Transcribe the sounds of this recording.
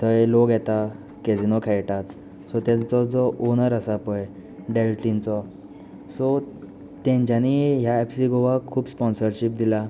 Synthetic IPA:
t̪əjloɡjɛt̪a | ked͡zinɔkʰɛjʈat͡s | sɔt̪ɛ̃nt͡sɔd͡zɔʔonəɾəsapɔj | ɖelʈint͡sɔ | sɔ | t̪ɛ̃ɲt͡ɕaniɦjaepsiɡoʋakʰuːbspɔnsəɾɕip̚d̪ila

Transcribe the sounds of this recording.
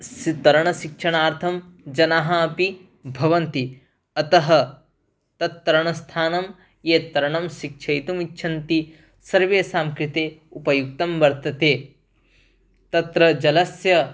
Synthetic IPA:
sit̪ɐɾɐɳɐʃikʂɐɳaːɾt̪ʰɐmd͡ʒɐnaɦɐːpi | bʱɐʋɐnt̪i | ɐt̪ɐɦɐ̆ | t̪ɐt̪ːɐɾɐɳɐst̪ʰaːnɐm | jeːt̪ɐɾɐɳɐmʃikʂʰɐjt̪umitːʃʰɐnt̪i | sɐɾʋeːsaːmkɾit̪eːupɐjuk̚t̪ɐmʋɐɾt̪ɐt̪eː | t̪ɐt̪ɾɐd͡ʒɐlɐsjɐ

